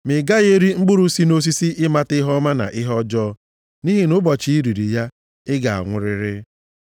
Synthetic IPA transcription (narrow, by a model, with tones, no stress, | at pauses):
mɪ˨ɡa˦ɣe˦ɾi˦ŋ͡m̩˦ɡ͡bʊ˦ɾu˦si˦no˦s̬i˦si˦ʔɪ˦ma˦tɪ˦ɦɔ˦ma˦na̰˨ʔɪ˦ɦɔ˦d͡ʒɔː˦ | ni˦ɦi˦nʊ˦bɔ˨t͡ʃi˦i˦ɾi˨ɾi˨ja˦ | ɪ˦ɡa̰˨a̰˨ŋʷʊ˨ɾɪ˦ɾɪ˦